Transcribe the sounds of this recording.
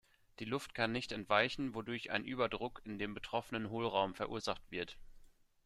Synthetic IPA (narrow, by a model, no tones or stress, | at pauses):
d̥iːlʊft̚kʰanːɪçtɛntv̥aɪçn̩vodʊɐçʔa̰ɪnʔyːbɐdʁʊkʰɪndeːmbətʁ̥ɔfənənɦoːlʁaʊmfɛɐʔuːɐzaχtv̥ɪɐt